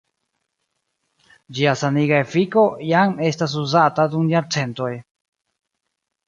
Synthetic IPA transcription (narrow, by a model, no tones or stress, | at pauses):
d͡ʒiasaniɡaefiko̞jame̞stas̬uzataduŋjaɾt͡se̞nto̞j